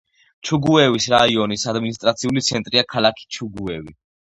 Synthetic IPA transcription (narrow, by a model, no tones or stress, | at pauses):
t͡ʃʰuɡuɛvisɾaiɔnisad̪minist̪ʼɾat̪sʰiulit̪sʰɛnt̪ʼɾiakʰalakʰi̥t͡ʃʰuɡuɛvi